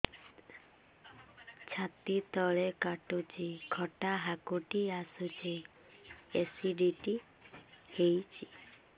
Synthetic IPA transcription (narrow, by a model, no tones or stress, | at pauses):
t͡ʃʰat̪it̪ɔɭekaʈut͡ʃʰikʰɔʈaɦakuʈiasut͡ʃʰe | esiɖiʈi | hejt͡ʃʰi